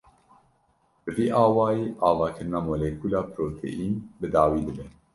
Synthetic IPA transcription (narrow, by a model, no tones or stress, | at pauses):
bɨviːʔɑːwɑːjiːʔɑːvɑːkʰɨɾɨnɑːmoːlekʰuːlɑːpʰɾoːt̪ʰḛʔiːnbɨd̪ɑːwiːd̪ɨbɛ